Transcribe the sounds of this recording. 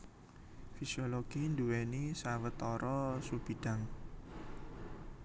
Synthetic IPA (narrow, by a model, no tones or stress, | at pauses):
fisioloɡ̥ind̪uwenisawət̪ɔɾɔsub̥i̤ɖ̥a̤ŋ